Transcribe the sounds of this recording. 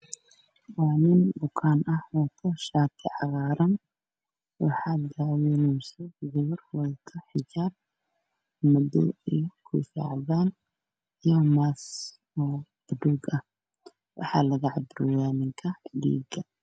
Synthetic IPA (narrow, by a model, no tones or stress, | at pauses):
wɑːnɪnbʊkʰaːnɐhɔt̪ʰɐʃaːt̪ʰɪʕɑɣɑːɾɐn | wɑħɑːd̪aːwɛnʊsɛɡʊβɔrwɐlt̪ʰɐħɪd͡ʒaːb̚ | mɐdɔ̰ɛkʰʊɪfa̰ːʕðaːn | jɔmaːs | ɔː | ɐd̪uːɡɐh | wʔɑ̰ħɑːlɐɣɐʕɑbɾɔjaːnɪŋkʰɐdḭːɡɐ